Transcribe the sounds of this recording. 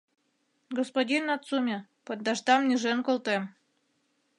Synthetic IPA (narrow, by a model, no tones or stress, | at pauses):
ɡospod̪ʲinat̪t͡sumʲepod̪̚dːaʒd̪ɑmnʲiʒenkolˠt̪em